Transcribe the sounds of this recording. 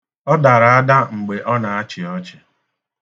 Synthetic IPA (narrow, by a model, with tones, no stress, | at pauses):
ɔ˦da˨ɾa˨a˦da˦ŋ͡m̩˨ɡ͡be˨ʔɔ˦na˨a˦t͡ʃɪ˨ɔ˦t͡ʃɪ̥˨